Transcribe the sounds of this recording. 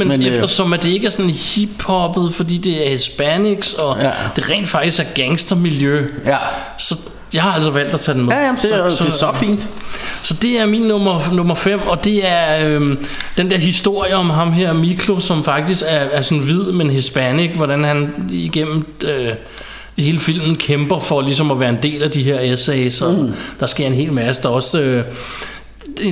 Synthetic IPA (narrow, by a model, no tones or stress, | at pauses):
menmefdd̥ɐsɒ̽mæd̥e̝e̝ɡ̥æɐsɔ̽nihib̥hɒ̽b̥ð̞̩ˠfɒ̽d̥ḭːd̥e̝æɐhesb̥æniɡ̥sɒ̽d̥e̝ʁɛ̰ːnd̥fɑ̈ɡ̥d̥isɡ̥æɐɡ̥æŋsd̥ɐmiljø | sɒ̽ | jɑ̈ɪhɑ̈æl̰sɒ̽ʋæl̰d̥æt͡sʰɛːd̥enmesfḭːnd̥sɒ̽d̥e̝æɐmiːnːɔ̽mɐnɔ̽mɐfem̰ɒ̽d̥e̝æɐø | d̥end̥eɐɦisd̥o̝ɐ̰jəɒ̽mɦɑ̈mɦeɐ̰mikʰlo̝sɒ̽mfɑ̈ɡ̥̚d̥isɡ̥æɐːɐsɒ̽nʋið̞̰ˠmenɦesb̥æneɡ̥ʋɒɾænhæniɡ̥em̰m̩ø | he̝ːləfil̰mn̩kʰemb̥ɐfɒ̽lis̬ɒ̽mɒʋæːɐe̝nd̥e̝̰ːlæd̥iɦeɐ̰esɛɪsɒ̽d̥ɑ̈sɡ̥e̝ɐ̰e̝nɦe̝̰ːlmæsəd̥ɑ̈ɒ̽sø